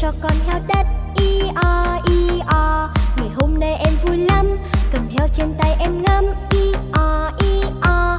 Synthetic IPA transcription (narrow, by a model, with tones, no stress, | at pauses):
t͡ɕɔ˧kɔ˧nhɛ˧wɗə˦˥t̚ʔi˧ʔɔ˧ʔi˧ʔɔ˧ŋa˨˩jɦo˧mna˧jʔɛ˧mvu˧jlə˧mkə˨˩mhɛ˧wt͡ɕe˧nt̪a˧jʔɛ˧mŋə˧mʔi˧ʔɔ˧˩ʔi˧ʔɔ˧